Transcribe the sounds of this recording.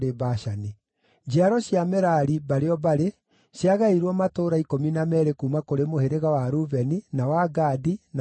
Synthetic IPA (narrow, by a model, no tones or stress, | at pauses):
ɾebaɕane | d͡ʒiaɾɔɕjamɛɾaɾibaɾeɔbaɾe | ɕjaɣaiɾwɔmatoːɾaikominamɛɾekuːmakoɾemoheɾeɣawaɾuvɛninawaɡadina